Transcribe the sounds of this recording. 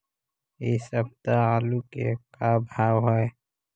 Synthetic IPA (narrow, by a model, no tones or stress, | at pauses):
isəb̚t̪aaːlukḛkabʱaːwɦɛe